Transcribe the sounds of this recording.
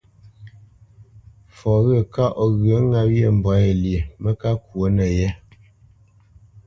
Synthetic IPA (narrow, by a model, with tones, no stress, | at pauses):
fɔ˨ɣə˦˨ka˦ʔɔ˨ɣə˨˦ŋa˦pje˦˨m̩˨bwa˨˦e˨lje˨mə˦ka˦kwo˨˦nə˨jɛ˦